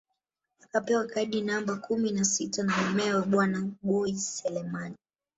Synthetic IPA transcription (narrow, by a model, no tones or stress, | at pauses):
akapɛwakaiɗinambakuminasitanaɛmɛawaɓwanaɓɔisɛlɛmani